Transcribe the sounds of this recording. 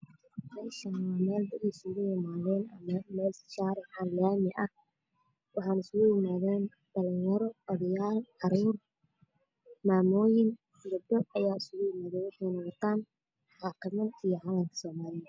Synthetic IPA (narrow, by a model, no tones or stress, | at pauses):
rɛʃɐnɐwamɛːld̪ɐɾisʊɣʊjɪmaːðɛːnɐmɐmɛːlsɪ̥ʃaːɾɪħanlaːmɪʔɐh | wɑħɑːnɪsʊɣʊjɪmaːðɛːn | d̪̥ɐlɐjɐɾɔɐðɐjaːlʕɑɾuːr | maːmɔːjɪn | ɡɐbd̪ɔɐjaːɪsʊɣʊjɪmaːðɛːnwɑħɑjnɔwɔt̪ʰaːn | ʕɑːqɪmɐd̪ijɔʕɑːlɐmkʰɐ̥sɔːmaːlɪjɐ